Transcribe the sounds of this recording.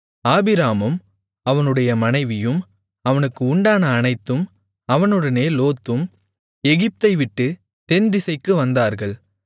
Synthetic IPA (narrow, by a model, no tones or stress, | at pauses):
aːbɪɾaːmɯm | ɐʋɐnɯɽɐjɐmɐnɐɪʋɪjɯm | ɐʋɐnɯkːɯʊɳɖaːnɐːnɐɪt̪ːɯm | ɐʋɐnɯɽɐneːloːt̪ːɯm | ɛɣɪp̚t̪ɐɪʋɪʈːɯ | t̪ɛnd̪ɪsɐɪkːɯʋɐnd̪aːɾɣɐɭ